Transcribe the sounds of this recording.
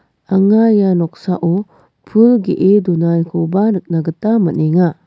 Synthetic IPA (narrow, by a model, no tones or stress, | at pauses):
aŋajanɔk̚saʔɔ | pʰɯlɡeʔedunajkʰobanɯk̚naɡɯtːamɐneŋa